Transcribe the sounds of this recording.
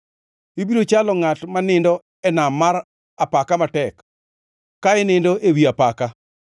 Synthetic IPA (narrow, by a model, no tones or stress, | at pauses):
ibiɾot͡ʃalɔŋatmanɪndɔ | ɛnamːaɾ | apakamatɛk | kaɛnɪndoʔewiapaka